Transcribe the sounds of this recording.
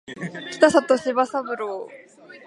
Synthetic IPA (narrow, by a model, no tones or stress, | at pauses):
ki̥t̪asat̪oɕiβasabɯɾo